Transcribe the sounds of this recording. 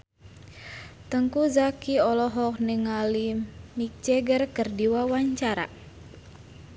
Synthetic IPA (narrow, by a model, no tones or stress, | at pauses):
t̪əŋkuzakiɔlɔɦɔk̚nɛŋalimik̚t͡ʃɛɡərkərdiwawaɲt͡ʃaɾa̰